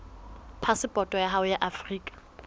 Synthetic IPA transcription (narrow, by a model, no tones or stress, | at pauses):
pʰasɪpʼɔtʼɔjaɦaʊjaʔafriːkʼḁ